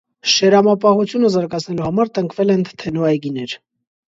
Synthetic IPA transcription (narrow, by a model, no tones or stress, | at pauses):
ʃɛɾɑmɑpɑhut͡sʰjunəzɑɾɡɑt͡sʰnɛluhɑmɑɾt̪əŋkʰvɛlɛnt̪ʰɛnɔɑjɡinɛɾ